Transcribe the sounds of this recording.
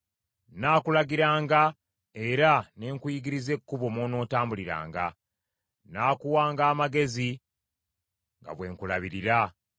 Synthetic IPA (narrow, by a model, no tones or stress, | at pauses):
naːkulaɡiɾaːŋɡa | e̞ɾaneːŋkujiɡiɾize̞kːuβo̞moːno̞ːtaːmbuliɾa̰ːŋɡa̰ | naːkuwaːŋɡaːmaɡe̞zi | ŋɡa̰βwe̞ːŋkulaβiɾiɾa